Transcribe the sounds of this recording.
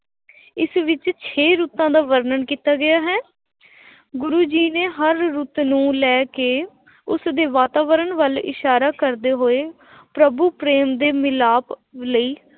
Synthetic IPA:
ɪsʋɪt͡ʃt͡ʃʰeːɾuːt̪ãːd̪aːʋəɾnəɳkiːt̪aːɡɪjaːɦɛː | ɡʊɾuːd͡ʒiːneːɦəɾːuːt̪nũːlɛːkeː | ʊsd̪eːʋaːt̪aːʋəɾənʋəlɪ̰ʃaːɾaːkəɾd̪eːɦoːeː | pɾəbuːpɾeːmd̪eːmɪlaːpləiː

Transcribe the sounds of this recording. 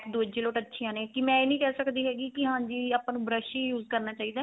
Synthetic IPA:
kd̪oːd͡ʒeːloːʈətːʃʰijãːneːkɪmɛ̃ːeːnĩːkɛːsəkd̪iːɦɛːɡiːkɪɦãːɲd͡ʒiːaːpãːnũːbɾəʃijuːzkəɾnaːt͡ʃaːiːd̪aː

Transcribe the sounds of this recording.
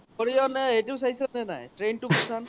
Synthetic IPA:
ɔɹiɔnɛetisajsɔnɛna̰jtɹentukɔsan

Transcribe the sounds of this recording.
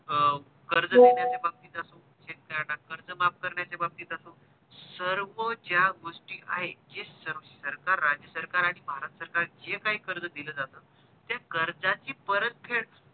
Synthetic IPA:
ə | kəɾd͡zəd̪eɳjat͡sebab̚t̪iːt̪əso | d͡ʑekəɾanakəɾd͡zəmap̚kəɾɳjat͡sebab̚t̪iːt̪əso | səɾʋəd͡ʑjaɡoʂʈiːʔa̰ɦed͡ʑesəɾsəɾkaɾːad͡ʑjəsəɾkaɾaɽ̃ibʱaɾət̪əsəɾkaɾd͡ʑekaɦiːkəɾd͡zəd̪iləːd͡zat̪əː | t̪jakəɾd͡zat͡ɕiːpəɾət̪̚kʰeɭ

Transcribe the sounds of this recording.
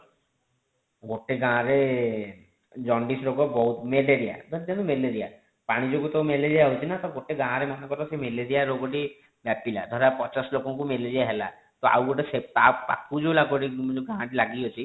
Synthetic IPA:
ɡoʈeɡãɾe | d͡ʒɔɳɖisɾoɡɔbɔut̪meleɾija̰d̪ʱɔɾd͡ʒanumeled͡ʒija | paɽ̃id͡ʒokut̪ɔmeled͡ʒijaɦut͡ʃʰinat̪ɔɡoʈeɡãɾemɔnakɔt̪ɔsemeleɾijaɾoɡɔʈi | bapila̰d̪ʱɔɾapɔt͡ʃaslokɔŋk̬umeled͡ʒijaɦela̰ | t̪oa̰wɡoʈeset̪apa̰kud͡ʒewlaɡɔʈid͡ʒɡããʈilaɡiot͡ʃʰi

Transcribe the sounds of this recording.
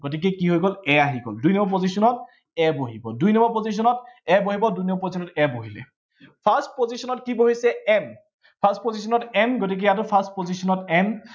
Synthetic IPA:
ɡ̥ot̬ik̬ɛkiɦojɡɔlɛaɦiɡɔ̰ldujnɔmɔpozisɔnɔt̚ | ɛboɦibɔdujnɔmɔpozis̬ɔnɔtɛboɦibɔdujnɔmɔpozisʰɔnɔtɛboɦilɛ̰ | pʰastpozisɔnɔtkiboɦisɛɛn | pʰastpozisɔnɔtɛnɡotik̬ɛatopʰastpozisɔnɔtɛn

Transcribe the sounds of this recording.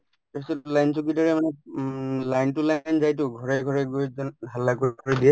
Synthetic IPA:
sɔlajnsukidaɹɛmanɛ | lajntulajnzajtʊɡʱɔɹɛɡʱɔɹɛɡojzɔnbʱalːakojɡʰʱɔɹɛdiɛ

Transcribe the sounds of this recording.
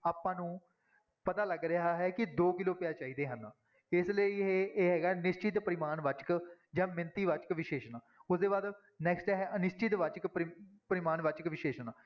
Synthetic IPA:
aːpãːnũː | pət̪aːləɡɾɪɦaːɦɛːkɪd̪oːkɪloːpɪjaːt͡ʃaːiːd̪eːɦənãː | ɪsləiːeeːɦɛːɡaːnɪst͡ʃɪt̪pəɾɪmaːnʋət͡ʃkd͡ʒãːmɪnt̪iːʋat͡ʃkʋɪʃeːʃnaːʊsd̪eːbaːd̪ | nɛːksʈɛːɦɛənɪst͡ʃɪt̪ʋət͡ʃkpɾɪpəɾɪmaːnʋət͡ʃkʋɪʃeːʃnaː

